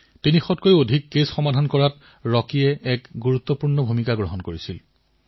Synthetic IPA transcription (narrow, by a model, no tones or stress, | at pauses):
tinixɔtkojodʱikːesxɔmadʱankɔɹat | ɹɔkijɛɛkɡuɹut̪ːɔpuɹnɔbʱumikaɡɹɔɦɔnkoɹisil